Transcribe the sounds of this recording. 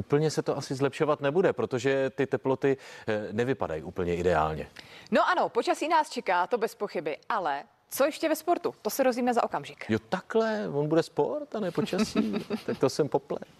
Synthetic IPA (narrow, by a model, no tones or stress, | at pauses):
ʔuːpl̩ɲɛsɛt̪oʔasɪzlɛpʃo̞vat̪nɛbudɛpɾo̞t̪oʒɛt̪ɪt̪ɛplo̞t̪ɪnɛvɪpa̰da̰jḭʔuːpl̩ɲɛʔɪdɛa̰ːlɲɛ̰no̞ʔanopot͡ʃasiːnaːst͡ʃɛkaːt̪o̞bɛspo̞xɪbɪʔalɛ | t͡sojɛʃcɛvɛspo̞ɾt̪ut̪osɛɾozviːmɛza̰ʔokamʒɪkjot̪aklɛvonbudɛspo̞ɾt̪anɛpot͡ʃasiːt̪ak̚t̪osɛmpo̞plɛ̰